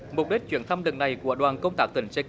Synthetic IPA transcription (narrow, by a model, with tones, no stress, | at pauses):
mʊ˨˩k͡p̚ɗi˦˥k̟̚t͡ɕwi˧˩ənt̪ʰa˧mlɨ˨˩ŋ̚na˨˩jku˧˩əɗwaː˨˩nkə˧wŋ͡mt̪aː˦˥k̚t̪ï˧˩ŋ̟se˧